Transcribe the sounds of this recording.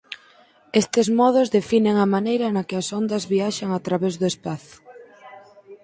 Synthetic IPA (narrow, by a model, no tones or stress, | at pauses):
est̪ɪzmɔð̞ʊzðefineŋɐmanejɾɐnɐkɪɐsɔnd̪ɐzβiaʃaŋat̪ɾaβezðʊespaθʊ̥